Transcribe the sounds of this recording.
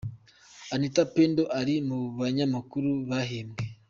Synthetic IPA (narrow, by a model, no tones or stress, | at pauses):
anitapendoʔaɾimuβaɲamakuɾuβaɦeːmɡe